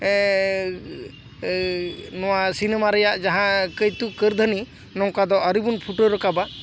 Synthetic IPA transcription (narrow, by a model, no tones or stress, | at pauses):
nɔwasinɛmaɾɛjaʔd͡ʒaɦãkəjt̪ukəɾd̪ʱəni | nɔŋkad̪ɔəɾibunpʰuʈəɾəkaba